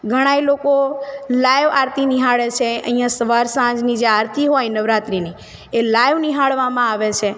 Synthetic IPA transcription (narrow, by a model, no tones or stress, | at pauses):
ɡʱəɽ̃ajlokolajʋaɾt̪iniɦaɭet͡ʃʰeə̰ɦĩjãsəʋaɾsãd͡ʒnid͡ʒeaɾt̪iɦojnəʋɾat̪ɾini | elajʋniɦaɭʋamãaʋet͡ʃʰe